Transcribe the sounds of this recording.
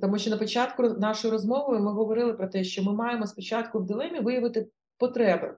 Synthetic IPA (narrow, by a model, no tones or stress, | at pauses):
t̪ɔmuʃʲt͡ʃɔnɐpɔt͡ʃɑt̪kʊnɑʃɔjiɾɔzmɔʋʊjʊmɪɦɔʋɔɾɪlˠɪpɾɔt̪ɛʃt͡ʃɔmɪmɑjemɔspɔt͡ʃɑt̪kʊwd̪ɪlˠɛmʲiʋɪjɐʋɪt̪ɪ | pɔt̪ɾɛbɪ̰